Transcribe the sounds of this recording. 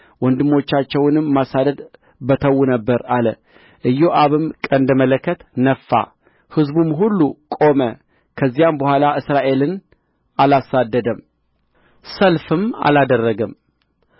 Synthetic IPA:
wɔnd̪ɨmːo̞t͡ʃːat͡ʃːɛwnɨmːasad̪əd̪ | bət̪ʰəwːunəbːəɾalə | ʔɨjːoʔaβɨmkʼənd̪əmələkʰːət̪nəfːa̰ | hɨzbumɦulːukʼo̞mə | kʰəzːijambəhʷalaʔɨsɾaʔe̞lɨn | alasad̪ːəd̪əm | səlfɨma̰lad̪ərːəɡəm

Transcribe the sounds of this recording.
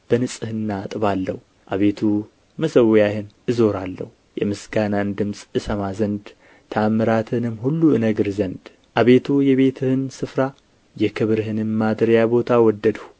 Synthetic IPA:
b̥ənɨsʼɨhɨnːat̪ʼɨβalːəhu | ʔaβe̞t̪ʰu | məsəwjahɨnʔɨzo̞ɾalːə̰hu | jɛ̰mɨsɡanand̪ɨmsʼɨsəmazənd̪ | t̪ʰaːmːɨɾat̪ʰɨnɨmhulːuɨnəɡɨɾzənd̪ | ʔaβe̞t̪ʰujɛβe̞t̪ʰɨhɨnsɨfɾa | jɛkʰɨβɾɨɦɨnɨmmad̪ɾjabo̞t̪ʰawɔd̪ːəd̪hu

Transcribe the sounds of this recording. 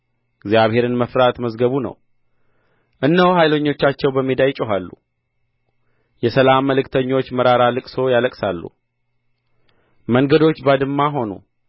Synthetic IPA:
ɪɡzjaβhe̞ɾɨnməfɾat̪məzɡəβunə̰w | ʔɨnːəwɦajlo̞ɲːo̞t͡ʃːat͡ʃːɛwbəmːid̪ajt͡ʃʼɛɦalːṵ | jɛsəlamːəlɨkt̪ʰəɲːo̞t͡ʃːməɾaɾalɨkʼso̞jaləkʼsalːṵ | məŋɡəd̪o̞t͡ʃːbad̪ɨmːaɦo̞nṵ

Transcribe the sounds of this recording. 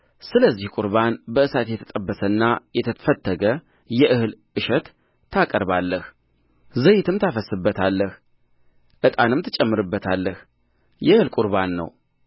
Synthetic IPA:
sɨləzːihkʼuɾβanbəɨsat̪jɛt̪ʰə̥t̪ʼəbːəsənːajɛt̪ʰəfət̪ːəɡə | jɛʔɨhɨlʔɨʃɛt̪ʰː | akʼəɾbalːəh | zəjɪt̪ʰɨmt̪ʰafəsːɨbːət̪ʰalːəh | ʔɨt̪ʼanɨmt̪ʰɨt͡ʃʼɛmːɨɾɨbːət̪ʰalːəh | jɛɨhɨlkʼuɾβanːə̰w

